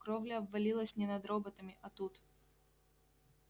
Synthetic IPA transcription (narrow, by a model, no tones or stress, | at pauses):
kɾovlʲɪɐbvːɐlʲilˠəsʲnʲɪnɐd̪ɾobət̪əmʲɪʔɐt̪ut̪